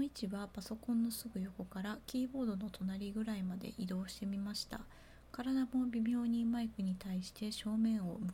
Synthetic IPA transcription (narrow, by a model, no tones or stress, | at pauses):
it͡ɕiβapaso̞kõ̞nːo̞sɨɡɯ̟jo̞ko̞kaɾakʲiːbo̞ːd̪o̞no̞t̪ʰo̞naɾʲiɡɯ̟ɾaimad̪e̞̰ʔid̪o̞ːɕi̥t̪e̞mʲimaɕi̥t̪a̰ | kaɾad̪amo̞bʲimʲo̞ːɲ̟ĩmaikɯ̟ɲ̟it̪aiɕi̥t̪e̞ɕo̞ːmẽ̞ɰ̃o̞mɯ